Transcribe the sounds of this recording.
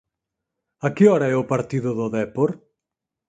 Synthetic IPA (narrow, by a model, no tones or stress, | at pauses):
akɪɔɾaɛʊpaɾt̪iðʊðʊðɛpoɾ